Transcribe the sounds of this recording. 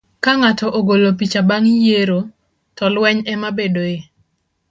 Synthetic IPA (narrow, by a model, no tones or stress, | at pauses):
kaŋatɔʔoɡolopit͡ʃabaŋijeɾo | tɔlwɛɲɛmabedoe